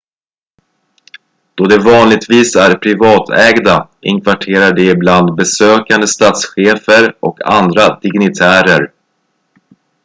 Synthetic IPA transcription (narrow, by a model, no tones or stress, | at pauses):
d̪̥ɔd̪ɛvɑːnlɪɡ̚t̪viːsæɾpʰɾɪvɑːt̪ʰɛːɡd̪aʔɪ̰ŋkʰvaʈʰeːɾaɖɛɪbland̪bɛsøːkand̪əst̪ɑːt̪sɧeːfəɾɔkʰa̰nd̪ɾad̪ɪɡnɪt̪ʰæːɾəɾ